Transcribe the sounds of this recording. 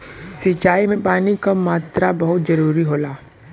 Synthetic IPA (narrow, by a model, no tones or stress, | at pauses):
sɪt͡ʃaːimẽpaːnikamaːt̪ɾabɐɦʊt̪zɐɾuːɾiɦoːlaː